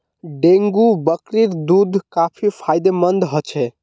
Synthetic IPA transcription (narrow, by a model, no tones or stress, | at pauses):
ɖeŋɡubəkɾiɾd̪ud̪ʱkapʰipʰajd̪emənd̪ɦɔt͡ʃʰɛ